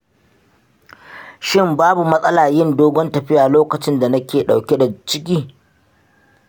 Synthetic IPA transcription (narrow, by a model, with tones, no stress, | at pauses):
ʃɪ˦mbaː˦bu˨mɐ˦sʼɐ˦laː˨jɪ˦ndoː˦ɡʷɔ˦ntɐ˨ɸɪ˦jaː˨loː˦kɐ˨t͡ʃɪ˦nda˨nɐ˦kʲeː˨ɗa˨wkʲe˦da˨t͡ʃɪ˦k̬ʲiː˦